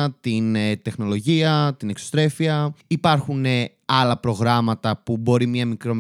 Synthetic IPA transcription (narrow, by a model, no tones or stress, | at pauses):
t̪int̪e̞xno̞lo̞ʝiɐt̪inekso̥st̪ɾe̞fiɐipɐɾxune̞ | ɐlɐpɾo̞ɣɾɐmɐt̪ɐpubo̞ɾimɲɐmikɾo̞m